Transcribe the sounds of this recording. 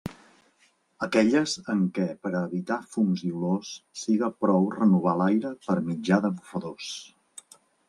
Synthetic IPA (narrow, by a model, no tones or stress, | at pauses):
əkɛʎəzəŋkɛpəɾəβit̪afumziulosːiɣəpɾɔwrənuβ̞alajɾəpəɾmid͡ʒaðəβufəðos